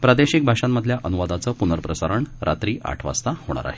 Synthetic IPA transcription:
pɾad̪eɕik̚bʱaʂamːəd̪ʱljaʔənuʋad̪at͡səːpunəɾpɾəsaɾəɳɾʔa̰t̪ɾiːʔa̰ʈʰʋa̰st̪ahoɽ̃a̰ɾa̰ɦe

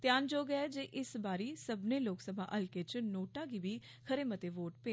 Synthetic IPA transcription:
t̪jaːnd͡ʒoːɡəd͡ʒeːʔɪsbaːɾiːsəbneːloːksəba̰ːʔəlkeːt͡ʃnoːʈãːɡiːbiː | kʰəɾeːmət̪eːʋoːʈpeː

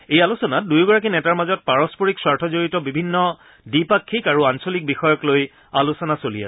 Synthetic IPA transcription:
ejalusɔnat̚dujɡɔɹak̬inɛtaɹmazɔt̚paɹɔspoɹikswaɹtʰɔzoɹitɔbibʱinːɔ | dipakʰːikaɹuansolik̚bixɔjɔkloj | alusɔnasolijas

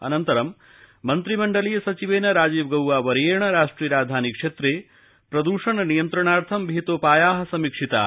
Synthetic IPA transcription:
ɐ̰nɐnt̪ɐɾɐmː | ɐnt̪ɾimɐɳɖɐlijɐsɐt͡ʃiʋeːnɐɾaːd͡ʒiːʋɡɐwʋaːʋɐɾjeːɳɐɾaːʂʈɾiːɾaːd̪ʱaːnikʂeːt̪ɾeː | pɾɐd̪uːʂɐnɐnijɐnt̪ɾɐɳaːɾt̪ʰɐmbʱit̪oːpaːjaːɦɐsɐmikʂit̪a̰

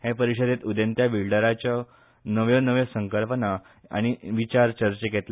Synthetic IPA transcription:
hepəɾiɕəd̪et̪ud̪ənt̪jabiɭɖəɾat͡ɕjɔ | nəʋjɔnəʋjəsəŋkəlpəna | a̰ɽ̃iʋit͡ɕaɾt͡ɕəɾt͡ɕəket̪l

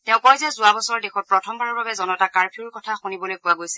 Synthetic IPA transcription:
tɛʊ̃kɔjzɛzʊabɔsɔɹɔɹdɛxɔt̚pɹɔtʰɔmbʱaɹɔɹbabɛzɔnɔtakaɹpʰiuɹkɔtʰaxunibɔlojkʊwaɡojsi

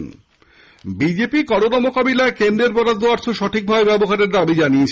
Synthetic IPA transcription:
n | bid͡ʑepikɔɾonamokabilaekend̪ɾeɾpɔɾad̪ʱːoaɾt͡ɕʰoʃɔʈʰik̚bʱaebɛboɦaɾeɾd̪abid͡ʑaniet͡ɕʰ

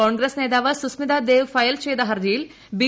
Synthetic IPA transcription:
aːŋɡɾesneːd̪aːʋɐsusmid̪aːd̪eːʋfɐjɐlʃeːd̪ɐɦɐɾd͡ʒil | biː

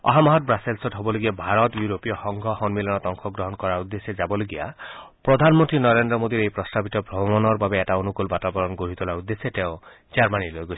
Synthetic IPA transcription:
ɔ̰ɦamaɦɔt̪̚bɾaselsɔʈɦɔbɔloɡiabʱaɾɔt̪juɾopijɔhɔŋɡʱɔhɔnmilɔnɔt̪ɔŋkʰɔɡɾɔɦɔnɔkɔɾaɾud̪ːesed͡ʒabɔloɡiapɾɔd̪ʱanmɔnt̪ɾinɔɾend̪ɾɔmod̪iɾejpɾɔst̪abit̪ɔbʱɾɔbɔmɔnɔɾbabeeʈaonukulbat̪abɔɾɔnɡoɾit̪ulaɾud̪ːeset̪eʊ | d͡ʒaɾmanilojɡot͡ʃʰ

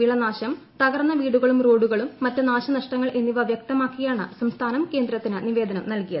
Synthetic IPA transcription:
ʋiɭɐnaːɕɐm | t̪ɐɣɐrnːɐʋiːɽuɣɐɭumro̞ːɖuɣɐɭumːɐtːɨnaːɕɐnɐʂʈɐŋːɐɭʔe̞nːiʋɐʋjɐk̚t̪ɐmaːkːijaːɳɨsɐmst̪ʰaːnɐmke̞ːnd̪ɾɐt̪ːinɨniʋe̞ːd̪ɐnɐmnɐlkijɐðɨ

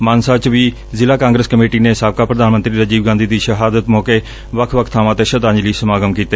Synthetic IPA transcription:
maːnsaːt͡ʃʋiː | zɪlaːkãːŋɡɾəskəmeːʈiːneːɪsaːb̚kaːpɾəd̪aːnmə̃nt̪ɾiːɾəd͡ʒiːbɡãːnd̪iːd̪iːʃəɦaːd̪ət̪mɔːkeː | ʋəkʰʋəkʰt̪ʰaːmãːt̪eːʃət̪ãːd͡ʒliːsəmaːɡəmkiːt̪a

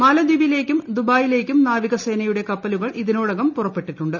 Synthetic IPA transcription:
mɐlɐd̪iʋile̞ːkʲːumd̪ubaːjile̞ːkʲːumnaːʋiɣɐse̞ːnɐjuɽe̞kɐpːɐluɣɐɭʔiðinoːɽɐɣɐmpurɐpːe̞ʈːiʈːuɳɖɨ

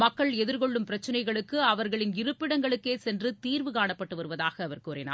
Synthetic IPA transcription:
mɐkːɐɭɛðɪɾɣɔɭːɯmpɪɾɐt͡ʃːɪnɐɪɣɐɭɯkːɯɐʋɐɾɣɐɭɪnɪɾɯpːɪɽɐŋɡɐɭɯkːeːsɛndrɯt̪iːɾʋɯkaːɳɐpːɐʈːɯʋɐɾɯʋɐðaːɣɐːʋɐrkuːrɪna̰ː

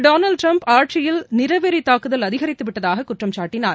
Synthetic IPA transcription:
ɖoːnɐlɖ̚ʈɾɐmpaːɾʈ̚t͡ʃɪjɪlnɪɾɐʋɛɾit̪ːaːkɯðɐlɐðɪɣɐɾɪt̪ːɯʋɪʈːɐðaːɣɐkʊʈrɐmt͡ʃaːʈːɪnaːɾ

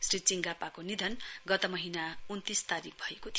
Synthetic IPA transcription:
srit͡siŋɡapakonid̪ʱʌnɡʌt̪ʌmʌɦinaunt̪ist̪aɾik̚ʰbʱʌekot̪ʰ

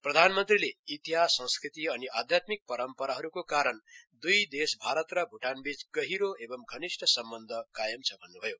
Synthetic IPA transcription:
prʌd̪ʱanmʌnt̪rileit̪ijɦasʌ̃ŋskrit̪iʌniʔad̪ʱjat̪mik̚pʌɾʌmpʌɾaɦʌɾukokaɾʌnd̪ujd̪esbʱaɾʌt̪rʌbʱuʈanbid͡zɡʌɦiɾoebʌmɡʱʌnisʈʰʌsʌmbʌnd̪ʱʌkajʌmt͡sʰʌbʱʌnːubʱʌjo

